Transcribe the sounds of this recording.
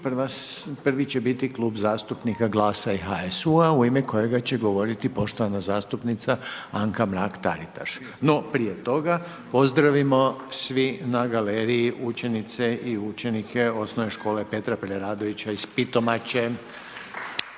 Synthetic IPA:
prʋaspr̩ʋit͡ɕebit̪iklˠuːbzaːst̪upnikaɡlˠaːsaiɦaesuauimeko̞je̞ɡat͡ɕeɡo̞ʋo̞ɾit̪ipo̞ʃt̪o̞ʋanazaːst̪upnit̪saaŋkamɾakt̪a̰ɾit̪a̰ʃ | no̞pɾijet̪o̞ɡa | po̞zd̪ɾaʋimo̞sʋinaɡaleːɾiiʔut͡ʃe̞nit̪seʔiut͡ʃenikʰe̞o̞snoʋe̞ʃko̞ːlepe̞t̪ɾapɾeɾaːd̪o̞ʋit͡ɕaispit̪o̞mat͡ɕe

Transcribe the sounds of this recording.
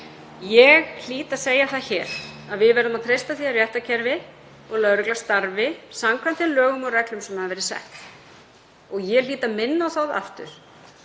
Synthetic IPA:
jɛɣl̥iːt̪ḁseːjaθaðçɛːɾ̥aðvɪðvɛɾðʏmaðt̪ʰɾejst̪aθiarjɛht̪acʰɛɾvɪ | ɔɣlœðɾʏklast̪aɾvɪsamkʰvant̪ɛnlœːɣʏmɔɣrɛklʏmsɛmhaðvɛːɾɪsɛ̰ht̪ | ɔɣjɛliːt̪amɪnːawθawða̰ft̪ʏ̰ɾ̥

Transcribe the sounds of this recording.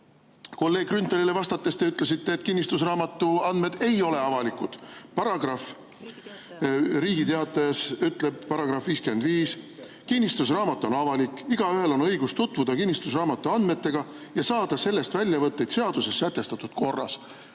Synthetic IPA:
ko̞lːeːɡ̥̚krynt̪elilevɑst̪ɑt̪ːˑest̪e̞yt̪ːˑle̞sit̪ːe̞ːt̪kinːist̪us̬rɑːmɑt̪ːˑuɑnd̪me̞d̪̥e̞jo̞le̞ɑvɑlikˑud̪̥pɑɾɑɡrɑf | ɾiːɡit̪eɑt̪ːˑɑjɑsyt̪ːˑle̞b̥̚pɑɾɑɡ̥rɑfviːskymend̪viːs | kinʲːist̪usrɑːmɑt̪ːˑo̞nɑvɑlikːˑiɡ̥ɑyɦe̞lo̞nɤ̞jɡ̥ust̪ut̪ːˑvud̪̥ɑkinʲːist̪us̬rɑːmɑt̪ːˑuɑnd̪me̞t̪ːe̞ɡ̥ɑjɑsɑːd̪̥ɑse̞lːe̞st̪vælʲjɑvɤt̪ːe̞jd̪̥se̞ɑd̪use̞sːæt̪ːˑe̞st̪ɑt̪ːˑud̪̥ko̞rːɑ̰s

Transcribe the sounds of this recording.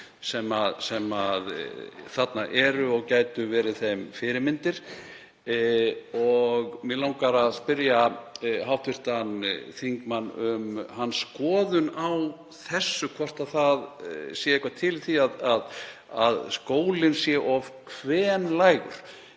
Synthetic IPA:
sɛmaðsɛmaðθat̪naʔɛɾʏɔɣcaːjt̪ʏvɛːɾɪθejmfɪɾɪɾmɪnt̪ɪɾ̥ | ɔɣmɪlawŋkaɾaðspɪɾjaɦawft̪ʰvɪr̥t̪anθiŋkmanʏmhanːskɔːðʏnaw | θɛsːʏkʰvɔr̥t̪aðθaðsjɛehkvat̪ʰɪlθiaðaðaðskoːwlɪnsjɛʔɔv̥kʰvɛːnlaːjɣʏ̰ɾ̥

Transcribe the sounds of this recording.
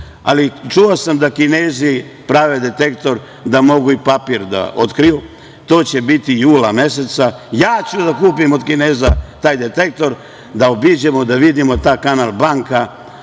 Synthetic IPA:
a̰lit͡ʃuosamd̪akineːzipɾaːʋe̞d̪e̞t̪e̞kt̪o̞ɾ | d̪amo̞ɡuipapiːɾd̪a̰o̞t̪kɾiju | t̪o̞ːt͡ɕe̞bit̪ijuːlame̞se̞t̪sajaːt͡ɕud̪akuːpimod̪kine̞ːzat̪aːjd̪et̪ek̚t̪o̞ɾ | d̪aobid͡ʑe̞mo̞d̪aʋid̪imo̞t̪aːkanalˠbaŋka

